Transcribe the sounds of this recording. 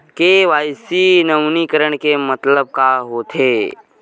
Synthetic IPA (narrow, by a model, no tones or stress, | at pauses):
keʋaːjsinəwnikəɾəɽ̃kemət̪ləb̚kaɦoːt̪ʰɦeː